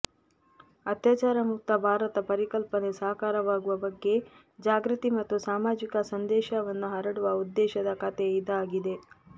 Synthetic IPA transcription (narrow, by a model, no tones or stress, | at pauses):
ɐt̪jaːt͡ʃaːɾɐmuk̚t̪ɐbʱaːɾɐt̪ɐpɐɾikɐlpɐne̞sɐɦɐkaːɾɐʋaːɡuʋɐbɐɡːe̞ | d͡ʒaːɡɾɨt̪imɐt̪ːusaːmaːd͡ʒikɐsɐnd̪ɛːʃɐʋɐnːuɦɐɾɐɽuʋɐud̪ːɛːʃɐd̪ɐkɐt̪eːjid̪ɐaːɡid̪e